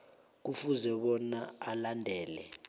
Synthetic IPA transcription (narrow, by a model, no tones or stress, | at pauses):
k̬ufuzɛɓɔnaalandʱɛːlɛ̰